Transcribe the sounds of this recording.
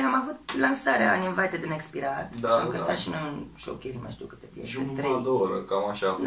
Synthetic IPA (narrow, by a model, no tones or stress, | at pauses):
amavut̪lansaɾeaːninvajt̪ed̪ɨnekspiɾat̪d̪aamkəɾt̪at̪ʃinənʃo̰kʲezima̰jʃt̪iuwkɨ̥t̪epjḛsʒuet̪ɾed̪ooɾə̰kamaʃa